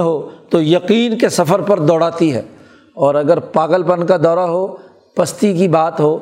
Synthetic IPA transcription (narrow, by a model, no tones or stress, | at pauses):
ɦot̪ojɐqiːnkesɐfəɾpɐɾd̪ɔːɽaːt̪iɦɛ̰ː | ɔːɾɐɡəɾpaːɡəlpənkad̪ɔːɾaɦo | pɐst̪ikibaːt̪ɦoː